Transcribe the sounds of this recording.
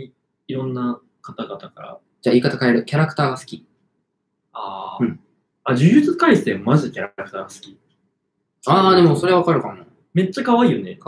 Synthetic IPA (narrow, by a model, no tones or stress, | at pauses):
i | iɾõ̞nːa | kat̪aɡat̪akaɾa̰ | d͡ʑaːiːkat̪akae̞ɾɯ̟kʲaɾakɯ̟̥t̪aːɡasɨ̥kʲi | aː | ad͡ʑɨjɯt͡sɨkaisɨ̥t̪emazɨkʲaɾakɯ̥t̪aːɡasɨ̥kʲi̥ | aːd̪e̞mo̞so̞ɾe̞aβakaɾɯ̟kanːa | me̞t͡ɕːakaβaiːone